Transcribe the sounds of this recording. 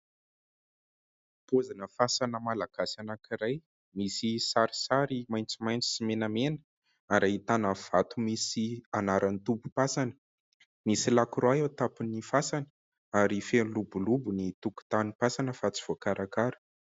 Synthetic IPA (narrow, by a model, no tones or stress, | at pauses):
pozanəfasanəmalaɡ̥asanakiɾaj | misisaɾi̥saɾimajnt͡simajnt͡si̥simenamenə̥ | aɾait̪anəv̥at̪umisianaɾʔanit̪upu̥pasanə̥ | misilakɾoaewt̪apinifasanə̥ | aɾifenlubulubunit̪uku̥t̪anipasanəfat͡si̥v̥okaɾakaɾu̥